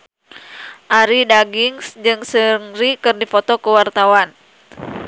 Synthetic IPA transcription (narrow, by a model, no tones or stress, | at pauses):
ʔaɾidaɡiŋsd͡ʒɨŋsəŋɾikɨrdifɔt̪ɔkəwart̪awan